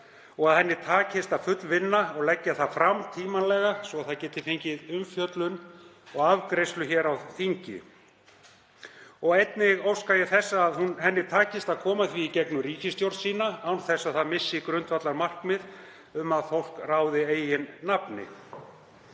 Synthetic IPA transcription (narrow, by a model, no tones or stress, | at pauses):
ɔɣaðhɛnːɪt̪ʰaːcɪst̪að̥fʏt̪lvɪnːaɔɣlɛcːaθaðfɾamt̪ʰiːmanlɛːɣasvɔaθaðcɛːt̪ɪfeɲcɪðʏmfjœt̪lʏnɔɣavkɾejst̪lʏçɛːɾawθiɲcɪ̰ | ɔɣejt̪nɪɣowskajɛθɛsːaːðhunɦɛnːɪt̪ʰaːcɪst̪aðkʰɔːmaθviːcɛknʏɾiːcɪst̪jowɾt̪siːnaawnθɛsːaðθaðmɪsːɪkɾʏnt̪vat̪laɾmar̥kmɪð | ʏmaðfowl̥kraːwðɪeːjɪnːapnɪ̰